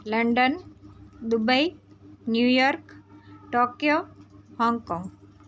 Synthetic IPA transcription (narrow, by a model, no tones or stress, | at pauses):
ləɳɖənd̪ubəjnjuːjɔɾkʈoːkjohɔ̃ŋɡkɔ̃ŋɡ